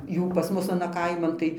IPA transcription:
ˈjuː pɐs ˈmʊs ɐˈnɐ ˈkɐɪmɐn tɐɪ

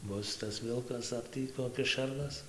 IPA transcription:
ˈbʊs tɐs ˈʋʲɪlˠkɐs ɐr ˈtʲiː koːˈkʲɪs ˈʃʲɛrnɐs

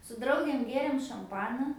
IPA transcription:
sʊ ˈdrɐʊɡʲeːm ˈɡʲeːrʲeːm ʃɐmˈpɑːnɐ

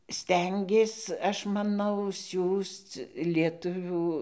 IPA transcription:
ˈsʲtʲɛŋʲɡʲeːs ˈɐʃ mɐˈnɐʊ ˈsʲuːst͡s lʲiɛˈtʊʋʲuː

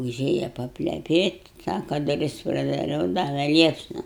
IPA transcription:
ʊˈʒʲeːjɛ pɐpʲlʲɛˈpʲeːtʲ ˈsɑːkɐ dʊˈrʲɪs prɐdɐˈrʲɛʊ ˈdɑːʋʲɛ ˈlʲiɛpsnɐ

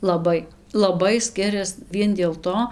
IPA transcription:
lˠɐˈbɐɪ lˠɐˈbɐɪ ˈsʲkʲɪrʲɛs ˈʋʲiɛn dʲeːlˠ ˈtoː

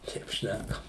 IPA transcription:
ˈtʲɛɪp ˈʃʲnʲækɐm

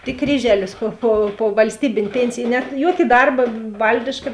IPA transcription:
tʲɪk ˈkrʲiːʒʲɛlʲɪs ˈpoː poː ˈpoː ʋɐlʲsʲˈtʲiːbʲeːnʲ ˈpʲeːnʲt͡sʲɪj ˈnʲɛt ˈjoːkʲɪ ˈdɐrbɐ ˈʋɐlʲdʲɪʃkɐ

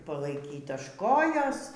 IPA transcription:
pɐlˠɐɪˈkʲiːt ɐʃ ˈkoːjoːs

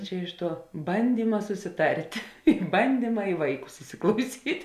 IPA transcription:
ˈt͡ʃʲɛ ɪʃ ˈtuɔ ˈbɐnʲdʲiːmɐ sʊsʲɪˈtɐrʲtʲ ɪ bɐnʲˈdʲiːmɐ ɪ ˈʋɐɪˌkʊs ɪsʲɪklˠɐʊˈsʲiːtʲ

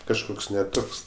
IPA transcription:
kɐʃˈkoːks nʲɛ ˈtoːks

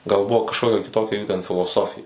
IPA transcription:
ɡɐlˠ ˈbʊʋoː kɐʃˈkoːkʲɛ kʲɪˈtoːkʲɛ ˈjuː tʲɛn fʲɪlˠoːˈsoːfʲɪjɛ

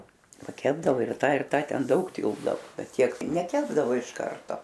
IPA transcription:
pɐˈkʲæːbdɐʋoː ɪr ˈtɐ ɪr ˈtɐ ˈtʲɛn ˈdɐʊk ˈtʲɪlˠbdɐoː ˈbʲɛt ˈtʲiɛk nʲɛˈkʲæːbdɐʋoː ɪʃ ˈkɐrtoː

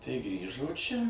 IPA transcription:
tɐɪ ˈɡrʲiːʒoː ˈt͡ʃʲɛ

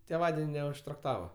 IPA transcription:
tʲeːˈʋɑːdʲɛnʲ nʲɛʊʃtrɐkˈtɑːʋɐ

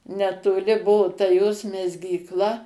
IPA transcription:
nʲɛtoːˈlʲɪˈbʊʊ tɐ joːs mʲɛzʲɡʲiːkˈlˠɐ

